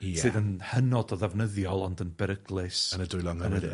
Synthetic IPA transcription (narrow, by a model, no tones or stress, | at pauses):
sɨːðənhənɔdɔðɛvnəðjɔlˠɔndənbɛɾəɡlˠɨsənədʊjlˠɔŋənə